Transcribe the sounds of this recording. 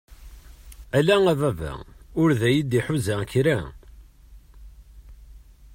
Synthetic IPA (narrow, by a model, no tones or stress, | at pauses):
ælæŋævævæ̰ʊɾðæjid̪iħuzæçɾæ